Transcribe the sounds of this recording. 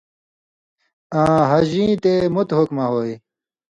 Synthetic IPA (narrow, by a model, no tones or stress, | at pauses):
ãːɦɐʑĩːt̪emut̪ɦokmaɦoːj